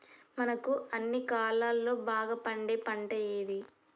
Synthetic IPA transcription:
mɐnɐkuɐnːikaːlaːlːo̞ːbaːɡɐpɐɳɖeːpɐɳʈɐjeːd̪i

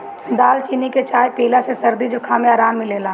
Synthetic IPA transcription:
d̪aːlt͡ʃiːniket͡ʃaːjpeːlasesɐɾd̪id͡ʒʊkʰaːmẽaːɾaːmːɪ̃leːlaː

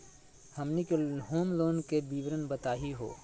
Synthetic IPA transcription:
hɐmnikeɦoːmloːnkebiːʋɾənbɐt̪aːɦiɦo̰ː

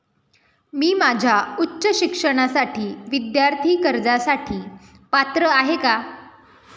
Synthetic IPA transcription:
miːmad͡ʑʱjautːɕəɕikʂəɽ̃asaʈʰiːʋid̪jaɾt̪ʰiːkəɾd͡zasaʈʰiː | pat̪ɾəaɦeka

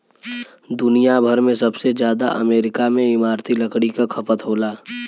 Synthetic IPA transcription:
d̪ʊnijabʱɐɾmẽsɐbsezjaːd̪a̰ʔɐ̰meːɾɪkamẽɪmaːɾt̪ʰilɐkɽikakʰɐpət̪ɦoːlaː

